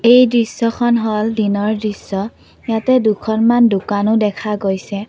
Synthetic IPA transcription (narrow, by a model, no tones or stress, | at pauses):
ejdɹisːɔxʰɔnɦɔldinɔɹdɹisːɔ | jatɛdukʰɔnmandʊkanʊdɛkʰaɡojsɛ